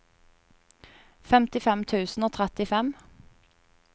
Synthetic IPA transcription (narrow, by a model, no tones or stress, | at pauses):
fɛmt̪ɪfɛmt̪ʰʉːsn̩oːt̪ʰʁɛt̪ɪfɛm